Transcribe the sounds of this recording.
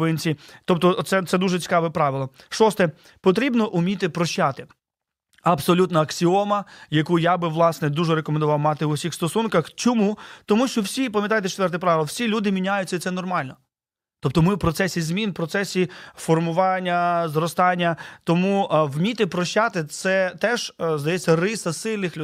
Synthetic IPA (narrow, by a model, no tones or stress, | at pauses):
ʋɪnʲt͡sʲit̪ɔpt̪ɔt̪sɛt̪sɛd̪uʒɛt͡sʲi̥kɑʋɛpɾɑʋɪlˠɔ | ʃɔst̪ɛ | pɔt̪̬ɾʲibnɔʔʊmʲit̪ɪpɾɔʃt͡ʃat̪ɪ | ɐbsɔlʲut̪nɐɐksʲiɔmɐjɐkujabɪʋlˠɑsnɛd̪uʒɛɾekɔmend̪ʊʋɑwmɑt̪ɪʊwsʲixst̪ɔsunkɐxt͡ʃɔmut̪ɔmuʃt͡ʃɔwsʲipɐmʲjɐt̪ɑjt̪ɛt͡ʃe̥t̪ʋɛrt̪ɛpɾɑʋʲɪlˠwsʲilʲud̪ɪmʲinʲajʊt͡sʲːɐit̪sɛnɔrmɑlʲnɔ | t̪ɔp̚t̪ɔmɪwpɾɔt̪sɛsʲizmʲinpɾɔt̪sɛsʲifɔrmʊʋɑnʲːɐzɾɔst̪ɑnʲːɐt̪ɔmuwmʲit̪ɪpɾɔʃt͡ʃat̪ɪt̪sɛt̪ɛʒzd̪ɐjɛt͡sʲːɐrɪsɐsɪlʲnɪxlʲ